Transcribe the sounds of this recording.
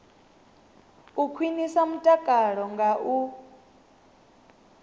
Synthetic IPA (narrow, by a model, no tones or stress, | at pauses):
ukʰwinisamutʼakʼaɺɔŋɡaʔu